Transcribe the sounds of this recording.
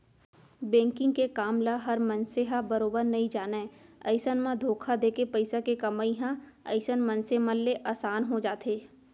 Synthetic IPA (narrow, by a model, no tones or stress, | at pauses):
bɛ̃ːŋkɪ̃ŋɡ̚kekaːmlaɦɐɾmɐ̃nseɦabɐɾoːbəɾnɐĩd͡ʒaːnaɛɐ̰ɪsənmãd̪ʱoːkʰad̪eːkepɐɪsakekɐmaːiɦã | ɐ̰ɪsənmɐ̃nseməlːeʔaːsaːnɦod͡ʒaːt̪eː